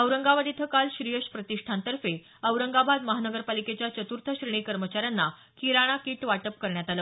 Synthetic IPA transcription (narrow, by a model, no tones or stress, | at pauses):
əwɾəŋɡaʋad̪it̪ʰəkalɕɾijəɕpɾət̪iʂʈʰant̪əɾfe | əwɾəŋɡabʱad̪məɦanəɡəɾpaliket͡ɕjat͡ɕət̪uɾt̪ʰəɕɾiɽ̃ikəɾmət͡ɕaɾjanːa | kiɾaɽ̃akiːʈʋaʈəp̚kəɾɳjat̪alə